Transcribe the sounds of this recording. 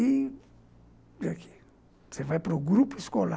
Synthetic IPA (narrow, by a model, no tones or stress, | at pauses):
i | akʰe̥ | sɛvapɾoɡɾupiskɔla